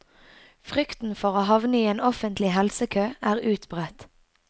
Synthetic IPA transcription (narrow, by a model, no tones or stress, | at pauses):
fʁʏkt̪n̩fɔʁoːhɑʋnəiːeːnɔfənt̪lɪhɛlsəkʰøːæːʁʉːt̪bʁɛt̪